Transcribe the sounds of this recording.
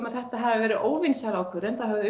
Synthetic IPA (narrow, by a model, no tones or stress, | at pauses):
maðθɛht̪aɦavavɛːɾɪʔoːwvinsaɾaːwkʰvœɾɛnθaðhœvðʏʏ